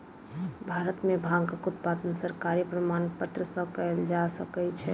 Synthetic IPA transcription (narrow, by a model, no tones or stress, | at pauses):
bʱaɾət̪mẽbʱãŋɡkʊt̪̚pad̪nəsəɾkaɾipɾəmaːnpət̪ɾəsə̃kəld͡ʒasəkɛt͡ʃʰɛ